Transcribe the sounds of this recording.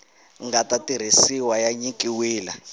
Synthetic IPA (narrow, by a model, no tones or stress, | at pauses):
ŋɡatatiɾ̤isiwajaɲikʼiwiːla